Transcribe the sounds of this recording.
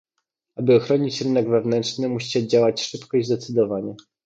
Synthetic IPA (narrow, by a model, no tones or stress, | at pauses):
abɘɔxɾɔɲit͡ɕɾɘn̪ɛɡvɛvn̪ɛntʂnɘmuɕi̥t͡ɕɛd͡ʑawat͡ɕʂɘpkɔizzd̪ɛt̪sɘd̪ɔvaɲɛ